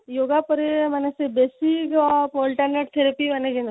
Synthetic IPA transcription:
joːɡapəɾemɛnesebeːsikɔpolʈəɾneʈ̚t̪ʰeɾepimɛned͡ʒẽn

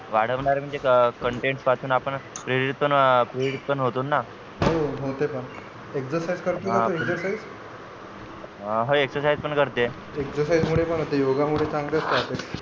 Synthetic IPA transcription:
ʋaɽ̤əʋɳaɾem̤əɳd͡zekəɳʈeɳʈspat̪ʰuːnapəɳpɾeɾiit̪̚pəɳpɾeɾit̪̚pəɳɦot̪onːa | ɦoɦot̪epəɳ | eksəɾsajd͡zkəɾt̪uɦaãeksəɾsajd͡z | ɦoeksəɾsajd͡zpəɳkəɾt̪e | eksəɾsajd͡zmuɽ̤epəɳɦot̪ejoɡamuɽ̤et͡sãŋɡd̪eəst̪əat̪e

